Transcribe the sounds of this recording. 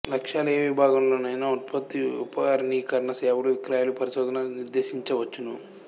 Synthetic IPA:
lɐkʂaːlɐeːʋibʱaːɡɐmloːnɐjnaut̪pɐt̪ːiupɐaɾniːkɐɾɐɳɐsɛʋuɽuʋikɾaːjaːlupɐɾisoːd̪ɐnaniɾd̪e̞ːʃiɲt͡ʃɐʋɐt͡ʃːunu

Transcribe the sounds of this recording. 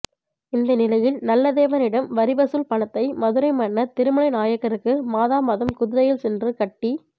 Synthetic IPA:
ɪnd̪ɐnɪlɐjɪlnɐlːɐðeːʋɐnɪɽɐmʋɐɾɪbɐsɯlpɐɳɐt̪ːɐɪmɐðɯɾɐɪmɐɳːɐt̪ɪɾɯmɐɭɐɪnaːjɐkːɐɾɯkːɯmaːðaːmɐðɐmkʊðɯðɐjɪlsɛndrɯkɐʈːi

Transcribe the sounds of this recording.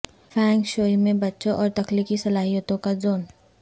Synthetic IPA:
fʰɛ̃ːŋkʃoːimẽbɐtːʃõʔɔːɾt̪ɐkliːkisɐlaːɦijət̪õkazoːn

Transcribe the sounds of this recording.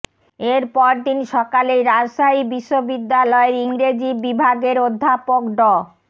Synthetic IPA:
eɾpɔɾt̪inʃɔkaleɾad͡ʑʃaibiʃːobid̪ːalɔeɾiŋɾed͡ʑibibʱaɡeɾod̪ʱːapokɖɔ

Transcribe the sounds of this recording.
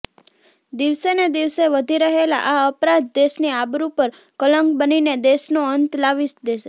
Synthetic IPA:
d̪iʋsened̪iʋseʋəd̪ʱiɾəɦela̰ʔaəpɾãd̪̚d̪eʃniabɾupəɾ | kələ̃ŋɡbənined̪eʃnoənt̪laʋiʃd̪eʃe

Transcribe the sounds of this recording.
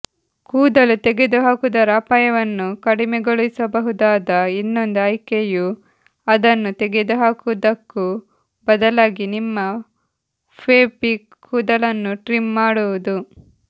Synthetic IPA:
kuːd̪ɐlut̪eɡed̪uɦaːkud̪ɐɾaːpaːjɐʋɐnːukɐɽimɛɡoɭisɐbɐɦud̪aːd̪ɐinːo̞nd̪uɐjkeju | ɐd̪ɐnːut̪eɡed̪uɦaːkuʋd̪ɐkːu | bɐd̪ɐlaːɡinimːɐ | pʰeːpi | kʰuːd̪ɐlɐnːuʈɾimmaːɽuʋud̪u

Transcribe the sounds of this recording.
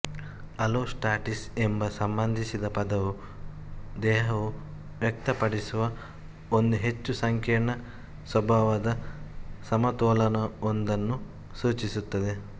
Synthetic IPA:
ɐloːsʈaːʈisembɐsɐmbɐnd̪ʱisid̪ɐpɐd̪ɐʋu | d̪ɛːɦɐʋu | ʋjɐk̚t̪ɐpɐɽisuʋɐ | ond̪uɦe̞t͡ʃːusɐŋkʰeːɳɐ | sʋɐbʱaːʋɐd̪ɐsɐmɐt̪ɔːlɐnɐond̪ɐnːu | suːt͡ʃisut̪ːɐd̪e̞

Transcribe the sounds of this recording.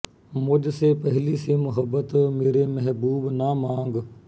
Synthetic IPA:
mʊd͡ʒsepəɦlisemʊɦəbːət̪meːɾemɛɦbuːbnamãːŋɡ

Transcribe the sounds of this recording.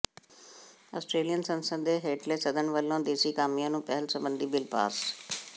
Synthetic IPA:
a̰ːsʈɾeːlijənsɐ̃nsə̃nd̪eɦeːʈlesɐd̪ʱənʋəlːõd̪eːsikaːmijanũːpɐɦɪlsɐ̃mbə̃nd̪ʱibɪlpa̰ːs

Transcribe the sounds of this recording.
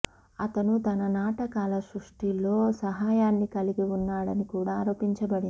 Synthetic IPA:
ɐt̪ɐnut̪ɐnɐnaːʈɐkaːlɐsɾuʂʈilo̞ːsɐɦaːjaːnːikɐliɡiunːaːɽɐnikuːɽaːɾoːpiɲt͡ʃɐbɐɽin

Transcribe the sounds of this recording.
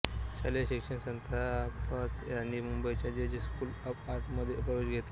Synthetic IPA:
ɕaleɕikʂəɳsənt̪ʰapat͡sjanːiːmumbəjt͡ɕad͡ʑed͡ʑiskuːləpaɾʈməd̪ʱːjepəʋeɕɡʱet̪

